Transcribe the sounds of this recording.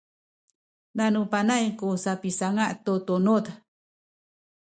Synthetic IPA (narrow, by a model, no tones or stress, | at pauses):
nanũpanaikosapisaŋaʔt̪ot̪onot̪a